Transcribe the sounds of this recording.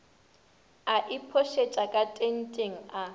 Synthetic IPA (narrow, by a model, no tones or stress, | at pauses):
aʔipʰoʃet͡ʃʼakʼatʼen̩tʼeŋ̩a